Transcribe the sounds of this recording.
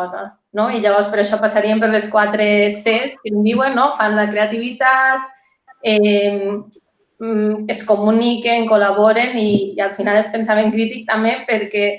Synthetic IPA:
ɔza̰ | noiʎaβɔɾspeɾɔaʃɔpasaɾiempeɾleskwat̪ɾeseskend̪iwenːofanlakɾeat̪iβ̞it̪at̪̚ | ɛ | eskomunikeŋkolaβ̞oɾeniːalfinalespensaβeŋkɾit̪ik̚t̪amepeɾkɛ

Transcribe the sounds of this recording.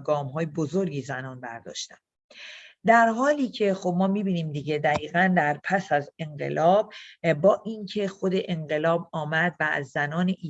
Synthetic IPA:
ɡɒːmɦɒːjebozoɾɡiːzænɒːnbæ̰ɾd̪ɒ̰ːʃt̪æn | d̪æɾɦɒːliːcʰe̞xo̞b̚mɒːmibiːniːmd̪iɟe̞d̪æɣiːɣænd̪æɾpʰæsæze̞ŋɢe̞̰lʔɒːb̚ːɒːʔiːncʰe̞xo̞d̪e̞ʔeɴɢe̞lɒːb̚ɒːmæd̪vææ̰zːænɒːneʔiː

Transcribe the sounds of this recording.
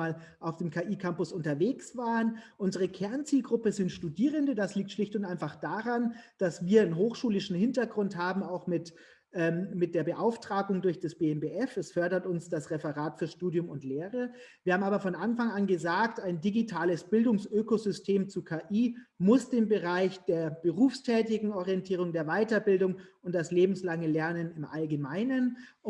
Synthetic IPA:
aːlʔaʊfd̥eːmkʰaːʔiːkʰampʊsʔʊntɐveːksv̥aːʁənʔʊnzəʁ̞əkʰɛɐnt͡siːlɡʁʊpəzɪntʃtudiːʁ̞əndədasliːk̚tʃlɪçtʊntʔaɪnfaχd̥aːʁand̥asv̥iːɐɪnɦoːxʃuːlɪʃn̩hɪntɐɡʁʊnthaːbm̩aʊxmɪt | ʔɛːmmɪt̚d̥eːɐbəʔaʊftʁ̥aːɡʊŋdʊɐçd̥asb̥eːɛmbeːʔɛfɛsfœɐdɐtʊnsd̥asʁɛfəʁaːtfyːɐʃtuːdjʊmʊntleːʁ̞əviɐhaːm̩aːbɐfɔnʔanfaŋanɡəzaːktaɪndiɡitʰaːləsb̥ɪldʊŋsʔøːkozʏstʰeːmt͡sukʰaːʔiːmʊsd̥eːmbəʁaɪçd̥eːɐb̥əʁuːfstʰɛːtɪɡŋ̩ʔɔʁiɛntʰiːʁ̞ʊŋdeːɐvaɪtɐbɪldʊŋʊnt̚d̥asleːbm̩slaŋəlɛɐnənɪmʔalɡəmaɪnən

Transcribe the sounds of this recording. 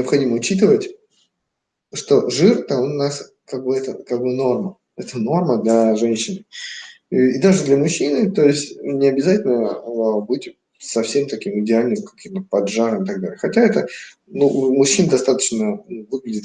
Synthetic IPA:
nʲɪəpxɐdʲiməʊt͡ɕit̪ɨvətʲ | ʂt̪o̞ʐɨrt̪aonʊnas | kaɡ̚bɨɛt̪əkaɡ̚bɨno̞rmə | ɛt̪əno̞rməd̪lʲɐʐɛnʲɕɪnɨ | id̪aʐɨd̪lʲɐmʊɕːinɨt̪o̞ɪsʲtʲnʲɪɐbʲɪzatʲɪlʲnəbɨtʲ | sɐfsʲe̞mt̪ɐkʲimɨdʲɪalʲnɨmkɐ̥kʲimt̪əpɐdʐaɾəmɨt̪ɐɡ̚d̪alʲɪjəxɐtʲaɛt̪ə | numʊɕːind̪ɐst̪at̪ə̥t͡ɕnəvɨɡlʲɪdʲɪt̪

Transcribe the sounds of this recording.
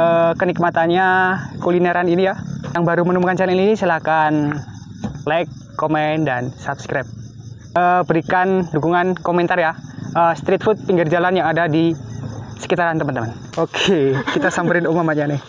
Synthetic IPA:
ʔəkənik̚mat̪anɲakulinaɾaninijajaŋbaɾumənumkant͡ʃalininisəlakan | lajkːomɛndansap̚skɾap̚ | ʔəbəɾikandukuŋankomɛnt̪arjaʔəst̪ɾit̪̚fut̪̚piŋɡɪrd͡ʒalanjaŋadadi | sə̥kit̪aɾant̪əmənt̪əmən | okʰekit̪asambəɾɪnumamaɲanɪ

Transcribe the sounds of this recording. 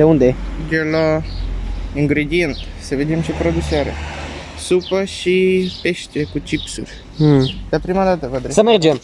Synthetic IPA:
d̪̥eund̪e̞d͡ʒela | iŋɡɾed̪ient̪səved̪emʃipɾod̪usaɾḛ | supəʃipe̞ʃt̪ekut͡ʃipsurʲ | d̪eapɾimad̪at̪əvəd̪ɾesəmerd͡ʒem

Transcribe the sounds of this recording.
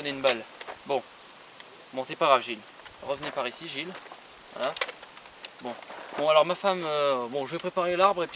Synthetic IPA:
neynbalbɔ̃ | bɔ̃sɛpaɡʁavʒil | ʁəvənepaʁisiʒil | wa̰la | bɔ̃b̥ɔ̃alɔʁmafamøbɔ̃ʒəvɛpχepaʁelaʁbʁep

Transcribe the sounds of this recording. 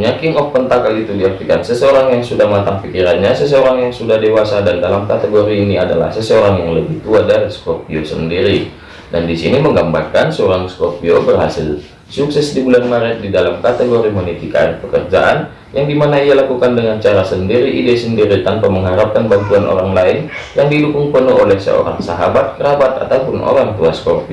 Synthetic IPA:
ɲakiŋɔfpənt̪akalit̪udiak̚t̪ikansəsəoɾaŋjaŋsudahmat̪aŋpikiɾanɲasəs̬əoɾaŋjaŋsudahdewasadandalamkat̪əɡoɾiːniadala̰hsəsəoɾaŋjaŋləbiht̪uadaɾiskopiosə̰ndiɾi | dandisḭniməŋɡambarkansəoɾaŋskopiobərɦasɪ̰l | suksɛsdibulanmaɾɛt̪̚didalamkat̪ɛɡoɾimonit̪ika̰ɪrpəkərd͡ʒa̰ʔan | jaŋdimanaijalakukandəŋant͡ʃaɾasəndiɾiʔidesəndiɾit̪anpaməŋɦaɾap̚kanbant̪uanʔo̰ɾaŋlaɪnjaŋdidukuŋpənuɦolɛhsə̰o̰ɾa̰ŋsaɦabat̪̚kəɾabat̪a̰t̪aupʊnʔo̰ɾaŋt̪uaskorpi

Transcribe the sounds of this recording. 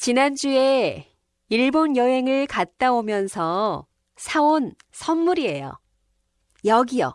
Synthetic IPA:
t͡ɕinand͡ʑue̞ | iɭbonjʌɦe̞ŋɯɭkat̚t͈aomjʌnsʰʌ | sʰaon | sʰʌnmuɾie̞jo̰ | jʌɡijʌ̰

